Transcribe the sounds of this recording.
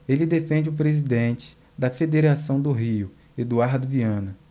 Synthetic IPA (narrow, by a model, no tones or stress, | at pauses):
elɪd̪efẽnd͡ʒɪʊpɾezid̪ẽnt͡ʃɪ̥ | d̪ɐfed̪eɾasɐ̃w̃d̪ʊɦiʊ | ed̪uaɾd̪ʊviɐ̃nɐ